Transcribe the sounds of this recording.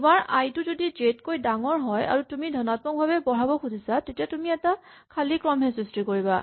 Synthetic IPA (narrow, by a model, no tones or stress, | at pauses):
tumaɹajtʊzodid͡ʒetkojdaŋɔɹɦɔja̰ɹutumidʱɔnat̚mɔk̚bʱabɛbɔɹabɔkʰudʱisatetijatumiɛta | kʰalikɹɔmɦɛsistikoɹiba̰